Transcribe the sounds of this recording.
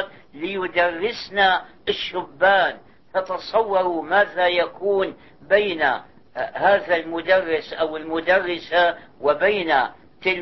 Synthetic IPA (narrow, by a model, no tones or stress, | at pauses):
t̪ | lɪjʊd̪ɑrˤːɪsnaʔɪʃːʊbːaːn | t̪ɑt̪ɑsˤɑwːɑɾˤumaːðajakuːn | bajna | haːðalmʊd̪ɑrˤːɪsʔawɪlmʊd̪ɑrˤːɪsawɪbaːna | t̪ɪl